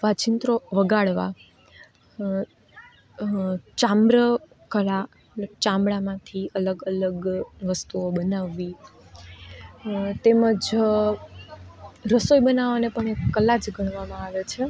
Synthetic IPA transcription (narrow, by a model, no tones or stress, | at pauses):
ʋat͡ʃint̪ɾoʋəɡaɭʋa̰ | t͡ʃãmbɾə | kəɭa | t͡ʃãmbɭamãt̪ʰiələɡələɡʋəst̪uobənaʋːi | t̪eməd͡ʒ | ɾəsojbənaʋanepəɳekːəlad͡ʒɡʱəɳ̃ʋamãaʋet͡ʃʰe